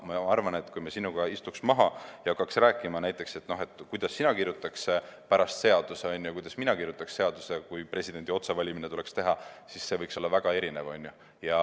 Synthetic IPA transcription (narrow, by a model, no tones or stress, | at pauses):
mɑɑrvɑne̞t̪ːˑkujmesinːuɡ̥ɑist̪uksmɑɦɑjɑɑkːɑksræːkːˑimɑnæjt̪ːˑe̞kse̞t̪ːˑno̞ɦe̞t̪ːˑkujd̪̥ɑsːinɑkirjut̪ːˑɑksepæɾɑst̪se̞ɑd̪̥useonʲjujkujd̪̥ɑsminɑkirjut̪ːˑɑksse̞ɑd̪̥usekujpre̞sʲid̪̥e̞nʲd̪̥ʲio̞t̪sevɑlʲiminet̪ule̞kst̪e̞ɦɑsisːe̞vɤjkso̞lːɑvæɡ̥ɑe̞ɾine̞vo̞nʲːju | jɑ